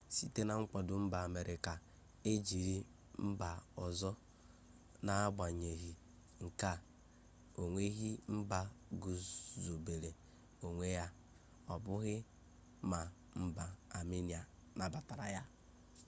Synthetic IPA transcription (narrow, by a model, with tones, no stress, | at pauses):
si˦te˦na˨ŋ͡m̩˦k͡pɔ˨dʊ˨m̩˦ba˨a˨me˨ɾʔi˨ka˨ | e˦d͡ʒi˨ɾi˦ | m̩˦ba˨ɔ˨zɔ˦ | na˨a˦ɡ͡ba˨ɲe˨ɣi˨ | ŋ̩˨ka˦ | o˨ŋʷe˦ɣi˦m̩˦ba˨ɡu˨zo˨be˨le˨ | o˨ŋʷe˦ja˦ | ɔ˨bʊ˦ɣɪ˦ | ma˨ | m̩˦ba˨a˨mi˦ni˨a˨ | na˨ba˨ta˨ɾa˨ja˦